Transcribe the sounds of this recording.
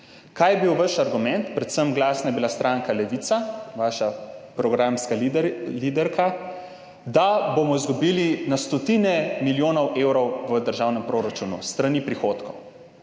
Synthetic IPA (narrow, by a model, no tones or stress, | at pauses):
kaːjɛbiwʋəʃaɾɡumɛnt̪pɾɛt̪səmɡlaːsnajɛbilast̪ɾʔaːŋkalɛʋit̪saʋaːʃapɾɔɡɾaːmskalid̪ɛɾka | d̪abomɔizɡubiːlinast̪ɔt̪inɛmiljoːnɔwʔeːwɾɔwʋəd̪əɾʒawnɛmpɾoɾat͡ʃuːnṵst̪ɾanipɾixoːt̪kɔw